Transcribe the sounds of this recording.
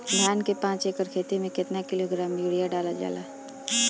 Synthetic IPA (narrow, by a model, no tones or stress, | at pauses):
ɡʱjaːnkepãːt͡ʃeːkəɾkʰeːt̪emẽkɪt̪nakɪloɡɾaːmjuːɽijaɖaːlad͡ʒa̰ːla̰ː